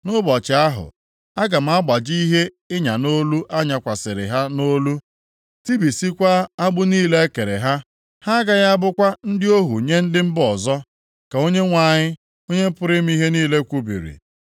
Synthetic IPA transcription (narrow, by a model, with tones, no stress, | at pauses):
nʊ˦bɔ˨t͡ʃɪ˨a˦ɦʊ̰˨ | a˦ɡa˨m̩˨˦a˦ɡ͡ba˨d͡ʒi˦i˦ɦe˦ | ɪ˦ɲa˨no˦lu˦ʔa˦ɲa˨kʷa˨sɪ˨ɾɪ̰˨ɦa˦no˦lu˦ | ti˦bi˨si˦kʷa˦a˦ɡ͡bʊ˦niː˦le˦e˦ke˨ɾe˨ɦa˦ | ha˦ɡa˦ɣa˦bʊ˦kʷa˦n̩˦dɪ˦o˦ɦu˨ɲe˦n̩˦dɪ˦m̩˦bɔ˨zɔ˦ | ka˨o˦ɲe˦ŋʷa˨ɲɪ˦ | o˦ɲe˦pʊ˦ɾɪ˦m̩˦i˦ɦe˦niː˦le˦kʷu˦bḭ˨ɾḭ˨